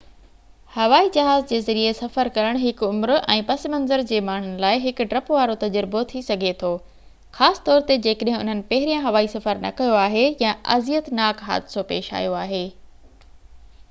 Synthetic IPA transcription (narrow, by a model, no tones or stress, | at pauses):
hɐʋaːid͡ʑɐɦaːzd͡ʑeːzɐɾiesɐfəɾkɐɾəɽ̃ɦɪkʊmɾɛ̰̃ːpɐsmɐ̃nzəɾd͡ʑeːmaːɳ̤ʊnɪ̆laːɪɦɪkʊ̆ɖɾɐpʋaːɾot̪ɐd͡ʑɾbot̪ʰisɐɡʱet̪ʰoː | xaːsɪ̥t̪ɔːɾt̪ed͡ʑeːkəɗɦɪ̃ʊ̰n̤ənɪ̆pɐɦɪɾijãɦɐʋaːisɐfəɾnɐ̰kɐjoaːɦejãʔɐ̰zijət̪naːkɦa̰ːd̪ɪsopḛːʃa̰ːijoaːɦeː